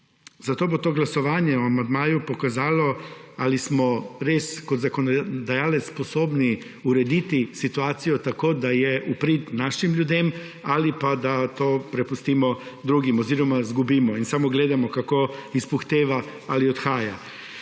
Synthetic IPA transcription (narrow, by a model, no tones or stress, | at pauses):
zat̪oːbot̪oːɡlasɔʋaːnjɛɔamand̪maːjupɔkazaːlɔalismɔɾeːskɔt̪zakɔnɔd̪ajaːlɛt̪sspɔsoːbni | uɾɛd̪iːt̪isit̪uaːt̪sijɔt̪akoːd̪ajɛupɾit̪naːʃimljud̪eːm | alipad̪at̪oːpɾɛpust̪iːmɔd̪ɾuːɡimɔziːɾɔmazɡubiːmɔinsamɔɡleːd̪amɔkakoːispuxt̪eːʋaaliɔt̪xaːja